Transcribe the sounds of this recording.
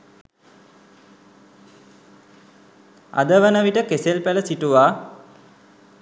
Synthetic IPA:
a̰d̪əʋənəʋiʈəkeselpæləsiʈuʋaː

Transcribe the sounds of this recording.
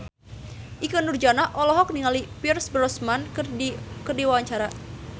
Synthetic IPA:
ʔikənurd͡ʒanaʔɔlɔɦɔk̚niŋalipirsbɾɔsman | kərdiwawaɲt͡ʃaɾa

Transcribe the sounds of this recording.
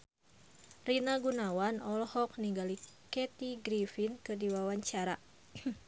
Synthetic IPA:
rinaɡunawanɔlhɔk̚niŋɡalikɛt̪iɡɾifinkɨrdiwawaɲt͡ʃaɾa

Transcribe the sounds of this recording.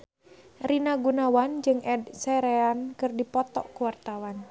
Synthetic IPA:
rinaɡunawand͡ʒɨŋʔɛdsɛɾɛankɨrdipɔt̪ɔ̰ʔkuwart̪awan

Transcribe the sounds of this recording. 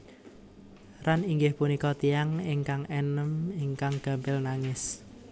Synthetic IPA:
ɾaniŋɡɪhpunikɔt̪iaŋɪŋkaŋɛnəmɪŋkaŋɡ̥a̤mbɛlnaŋɪs

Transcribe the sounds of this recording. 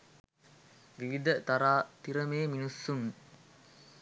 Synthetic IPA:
ʋiʋid̪ət̪aɾaːt̪iɾəmeːminusːuŋ

